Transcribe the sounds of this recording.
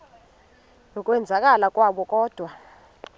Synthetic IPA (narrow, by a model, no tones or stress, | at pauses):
nɔkʼwɛnd͡zʱakʼalakʼwaɓɔkʼɔːd̥ʱwa